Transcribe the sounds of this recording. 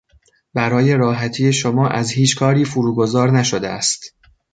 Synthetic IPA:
bæɾɒːje̞ɾɒːɦæt̪ʰiːje̞ʃomɒːʔæzhiːt͡ʃʰkʰɒːɾiːfuɾuːɡo̞zɒːɾnæʃod̪eæ̰st̪

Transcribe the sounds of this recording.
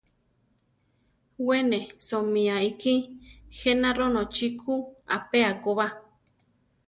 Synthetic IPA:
wenẽsomĩaikihenãɾonõt͡ʃikʰua̰peakoβa

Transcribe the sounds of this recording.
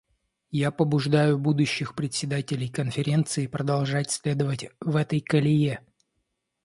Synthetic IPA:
japəbʊʐd̪ajʊbud̪ʊɕːɪxpɾʲɪt̪ʲsʲɪd̪atʲɪlʲɪjkənfʲɪɾʲe̞nt̪sɨɪpɾəd̪ɐlˠʐatʲsʲlʲe̞d̪əvətʲvɛt̪əjkəlʲɪje

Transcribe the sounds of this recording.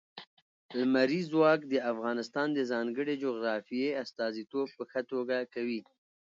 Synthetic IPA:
lmaɾizwɑkd̪əafɣɑnɪst̪ɑnd̪əzɑŋɡəɽed͡ʒoɣɾɑfijeast̪ɑzit̪ob̚pəxət̪oɡakawi

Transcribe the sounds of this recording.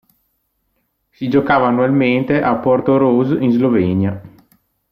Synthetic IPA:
sid͡ʒokaːvaːnːualment̪eʔapːort̪oɾozinzlovɛnja

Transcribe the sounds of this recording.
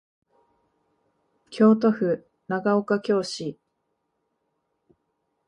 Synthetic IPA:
kʲʰo̞ːt̪o̞ɸɯ̟ | naɡaokakʲo̞ːɕi

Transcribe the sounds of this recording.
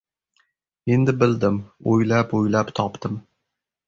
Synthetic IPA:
e̞nd̪ɪbɪld̪ɪmojlapojlapt̪ʰɒpt̪ɪm

